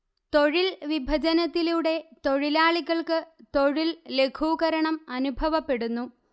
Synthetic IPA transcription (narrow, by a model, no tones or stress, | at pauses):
t̪o̞ɻilʋibʱɐd͡ʑɐnɐt̪ːiluɽe̞t̪o̞ɻilaːɭiɣɐɭkɨt̪o̞ɻille̞kʰuːɣɐɾɐɳɐmɐnubʱɐʋɐpːe̞ɽunːu